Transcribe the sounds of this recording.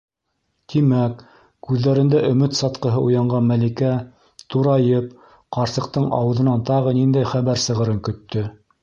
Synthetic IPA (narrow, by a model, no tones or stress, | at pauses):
t̪ʰimækː | ʉðːæɾɘ̆nd̪æʔɵ̆mɘt̪sɑt̪qɤ̆ɦɤʔujɑɴɢɑnmælikæ | t̪uɾɑjɤp | qɑɾsɤ̆q̚t̪ɤɴʔɑ̰wɤ̆ðɤ̆nɑnt̪ɑʁɤnind̪æjχæβæɾsɤ̆ʁɤ̆ɾɤŋkɵ̆t̪ːɵ